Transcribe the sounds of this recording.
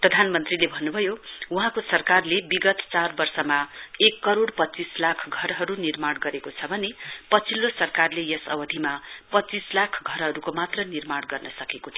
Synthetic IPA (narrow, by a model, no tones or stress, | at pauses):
prʌd̪ʱanmʌnt̪rilebʱʌnːubʱʌjouɦãkosʌrkarlebiɡʌt̪t͡sarbʌrsʌmaekːʌɾoɽpʌt͡sislakʰɡʱʌɾɦʌɾunirmaɽɡʌɾekot͡sʰʌbʱʌnepʌt͡sʰilːosʌrkarlejʌsʌbʌd̪ʱimapʌt͡sislakʰɡʱʌɾɦʌɾukomat̪rʌnirmaɽɡʌrnʌsʌkekot̪ʰijo